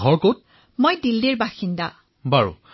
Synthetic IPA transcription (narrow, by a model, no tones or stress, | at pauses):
ɡʱɔɹkot̚ | mojdildeɹbaxinda | baɹṵ